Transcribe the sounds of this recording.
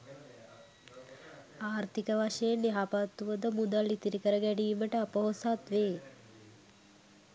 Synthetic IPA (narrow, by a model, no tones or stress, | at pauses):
aːɾt̪ʰikəʋaʂejenːeɦapat̪ːuʋəd̪əmud̪alːit̪iɾikəɾəɡɛɖiːməʈəapəɦosat̪ʋeː